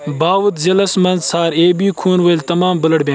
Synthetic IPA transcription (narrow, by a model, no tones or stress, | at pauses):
baːwut̪zɐlɐsmɐnzsaːɾeːbiːkʰuːnʋɐlt̪ɐmaːmbɐlɐɽbʲẽː